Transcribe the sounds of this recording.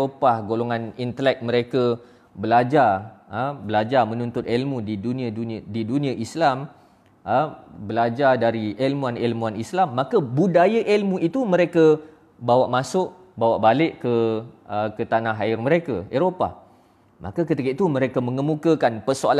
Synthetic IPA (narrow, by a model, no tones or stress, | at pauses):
opahɡoloŋãnint̪əlɛk̚mə̃ɾekə | bəlad͡ʒarəbəlad͡ʒarmə̃nunt̪ʊt̪ɛlmudidunĩadundidunĩãʔislam | bəlad͡ʒardaɾiʔelmuanelmuanislamːakəbudajaʔelmũit̪umə̃ɾekə | bawaʔmãsʊʔ | bawaʔbalɪʔkəəkət̪anaɦaɪrməɾekəeɾopa̰h | mʔa̰kakət̪ikəʔt̪umə̃ɾekəmə̃ŋəmukəkanpərsoal